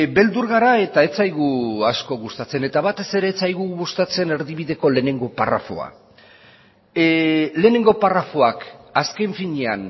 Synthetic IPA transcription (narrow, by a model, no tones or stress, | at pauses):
be̞ld̪uɾɣaɾae̞t̪ae̞t͡sajɣ̞uasko̞ɣust̪at͡se̞ne̞t̪aβat̪e̞se̞ɾe̞ːt͡sajɣuɣust̪at͡se̞ne̞ɾðiβ̞iðe̞ko̞le̞ne̞ŋɡo̞para̰fo̞̰a̰ | le̞ːne̞ŋɡo̞parafo̞akaske̞ɱfiɲean